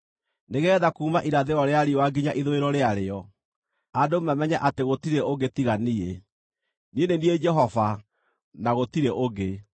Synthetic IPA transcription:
neɣɛːðakuːmaʔiɾaðeɔɾeaɾiwaɡiɲaʔiðoeɾɔɾeaɾeɔ | adomamɛɲaʔateɣotiɾeoɡetiɣanie | nienenied͡ʒɛɦɔva | naɣotiɾeʔoɡe

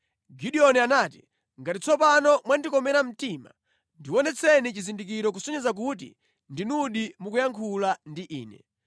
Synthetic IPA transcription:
ɡiɗiɔnianaːti | ŋɡatit͡sɔpanɔmwandikɔmɛɾam̩tima̰ | ndiwɔnɛt͡sʰɛnit͡ʃizindik̬iɾɔk̬usɔɲɛzak̬ut̬ḭ | ndinuɗimukujaŋkʰulandiʔḭːnɛ̰

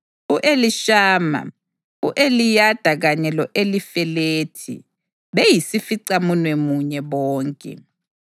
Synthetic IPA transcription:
uʔeliʃaːma̰ | uʔelijad̥ʱaɣaɲɛlɔʔelifɛleːtʰḭ | βejisifiǀamunwemuɲɛβɔːŋkʼɛ̰

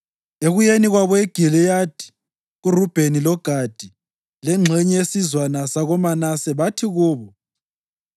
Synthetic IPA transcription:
eɣujeniɣwaβɔeɡ̥ʱilijad̥ʱi̥ | ɣurub̥ʱenilɔɡ̥ʱad̥ʱi | lɛŋ͡ǁʱɛɲɛesizwanasaɣɔmanasɛβatʰiɣuːβɔ

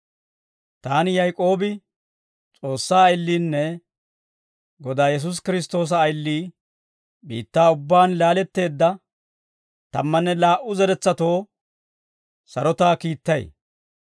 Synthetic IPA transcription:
t̪aːnɪjɐjkʼo̞ːbɪ | t͡sʼo̞ːsːaːɐjlːiːnːɛ | ɡɔd̪aːjɛs̬ʊs̬kɪɾɪst̪o̞ːs̬ɐːjlːiː | bḭːt̪ːaːʊbːaːnlaːlɛt̪ːe̞ːd̪ːɐ | t̪ɐmːɐnːɛlaːʔʊzɛɾɛt͡sːɐt̪o̞ː | sɐɾɔt̪aːkiːt̪ːɐj̰

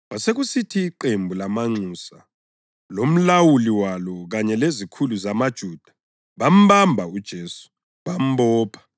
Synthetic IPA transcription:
βaseɣusitʰiːǃembʱulamaŋ͡ǀusa̰ | lom̩lawuliwalɔɣaɲɛlezikʰuluzamad̥ʒ̥ʱuːd̥ʱḁ | βam̩bambʱaud̥ʒ̥ʱeːsu̥ | βam̩bɔːpʰḁ

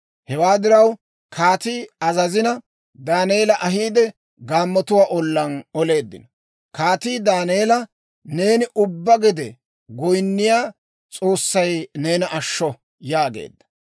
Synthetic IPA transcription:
hɛwaːd̪ɪɾɐw | kʰaːt̪iːɐzɐzɪnɐ | d̪aːneːlɐʔɐɦiːd̪ɛ | ɡaːmːɔt̪ʊwaːʔɔlːɐnɔle̞ːd̪ːɪ̰nɔ | kaːt̪iːd̪aːneːlɐ | ne̞ːnɪʔʊbːɐɡɪd̪ɛ | ɡɔjnːɪjaː | t͡sʼo̞ːsːɐjne̞ːnɐʔɐʃːɔ | jaːɡḛːd̪ːɐ̥

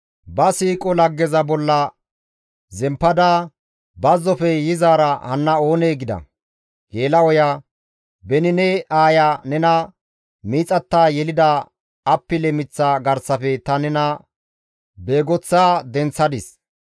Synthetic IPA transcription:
bɐsiːkʼɔlɐɡːɛzɐbɔlːɐ | zɛmpːɐd̪aː | bɐzːɔfɛjɪzaːɾɐhɐnːɐo̞ːneːɡɪd̪ɐ̰ | ɡ̥eːlɐwɔja | bɛnɪnɛʔaːjanɛnɐ | miːt͡sʼɐt̪ːaːjɛlɪd̪ɐː | pːɪlɛmɪt͡sːaɡɐɾsɐfɛt̪ɐnɛnɐ | be̞ːɡɔt͡sːaːd̪ɛnt͡sːɐd̪ɪs

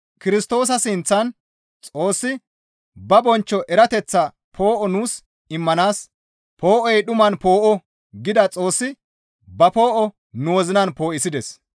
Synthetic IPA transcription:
kɪɾɪst̪o̞ːs̬ɐsɪnt͡sːɐn | t͡sʼo̞ːsːɪ | bɐbɔnt͡ʃːɔʔɛɾɐt̪ɛt͡sːɐ | pʰo̞ːʔɔnuːs | ɪmːɐnaːs | pʰo̞ːʔɔjɗʊmɐnpo̞ːʔɔ | ɡɪd̪ɐt͡sʼo̞ːsːɪ | bɐpo̞ːʔɔ | nʊwɔzɪnɐnpo̞ːʔɪsɪd̪ɛs

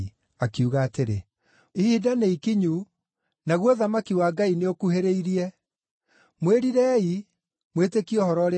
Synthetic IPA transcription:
akiuɣaːteɾe | ihidaneikiɲu | naɣwoðamakiwaːɡaineokuheɾeiɾiɛ | mweɾiɾɛːi | mwetekiɔhɔɾɔɾ

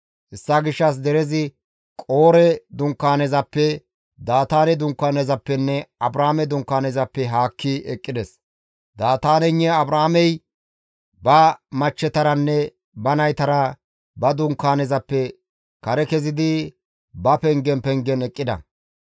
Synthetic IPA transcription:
ʔɪsːaɡɪʃːɐs̬d̪ɛɾɛzɪ | kʼoːɾɛd̪ʊŋkːaːnɛzɐpːɛ | d̪aːt̪aːnɛd̪ʊŋkːaːnɛzɐpːɛnːɛɐbɾaːmɛd̪ʊŋkːaːnɛzɐpːɛɦaːkːɪɛkʼːɪd̪ɛs | d̪aːt̪aːnɛɲːɛɐbɾaːmɛj | bɐmɐt͡ʃːɛt̪ɐɾɐnːɛ | bɐnɐjt̪ɐɾɐ | bɐd̪ʊŋkːaːnɛzɐpːɛ | kɐɾɛkɛzɪd̪ɪ | bɐpɛŋɡɛnpɛŋɡɛnɛkʼːɪd̪ɐ̰

